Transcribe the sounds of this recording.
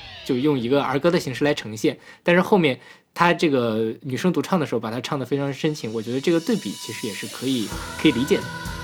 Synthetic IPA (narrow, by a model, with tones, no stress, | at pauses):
t͡ɕjo˥˧ʊ˧jʊ˥˩ŋi˧˥ɡə˧ə̰˞˧˥kɤ˧˥d̪ə˨˩ɕi˧˥ŋʂɻ̩˥˧la˧˥ɪʈ͡ʂʰɤ˧˥ŋ˧ɕjɛ˥˩nt̪a˥˧nʂɻ̩˥˧xo˥˧mjɛ˥˩n | t̪ʰa˥ʈ͡ʂɤ˥˩ɡə˩ny˨˩ʂɤ˥ŋt̪u˧˥ʈ͡ʂʰɑ˥˩ŋd̪ə˩ʂɻ̩˧˥˩pa˨˩t̪ʰa˥ʈ͡ʂʰɑ˥˩ŋd̪ə˩fe˥ɪɑ˧˥ŋʂə˥nt͡ɕʰi˧˥ŋwɔ˨˩t͡ɕɥɛ˧˥d̪ə˧ʈ͡ʂɤ˥˩ɡə˩t̪we˥˩ɪpi˨˩t͡ɕʰi˧˥ʂɻ̩˧˥jɛ˨˩ʂɻ̩˥˩kʰɤ˧˥i˨˩˦kʰɤ˧˥i˨˩li˧˥t͡ɕjɛ˨˩d̪ə˦